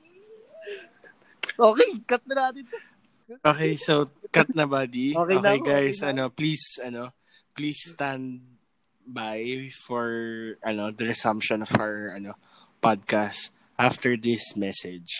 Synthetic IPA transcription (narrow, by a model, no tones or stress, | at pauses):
ʔoːkɛjkɐt̪̚nɐnaːt̪ɪno | ʔoːkɛjsokɐt̪̚nɐbad̪iokeonejɡajsɐno̞plisʔɐno̞ | plisːt̪and̪̚ | bajfɔɹʔɐnod̪ɐɹɐsɐ̃mpʃɔ̃nɔfawɹʔɐno | pad̪̚kast̪ | ʔaft̪ɛɹd̪ɪsmɛsɛd͡ʒ